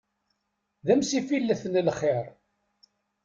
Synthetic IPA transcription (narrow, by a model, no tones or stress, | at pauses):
ðæmsifilːəθənlχɪɾ